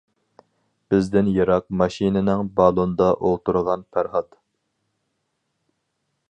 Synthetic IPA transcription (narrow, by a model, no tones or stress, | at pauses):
b̥ɪzd̪ɪnjɑɾɑq̚mɑʃinɪnɪŋbɑlˠond̪ɑʔolˠt̪uɾəʁɑnpʰæɾχɑt̪